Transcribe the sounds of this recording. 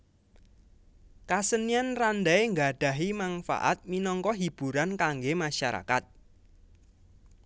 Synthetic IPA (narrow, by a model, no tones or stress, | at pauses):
kasənianrand̪aeŋɡaɖ̥a̤ɦimanfa̰ʔa̰t̪̚minɔŋkɔɦib̥ṳɾankaŋɡemaʃaɾa̰kat̪̚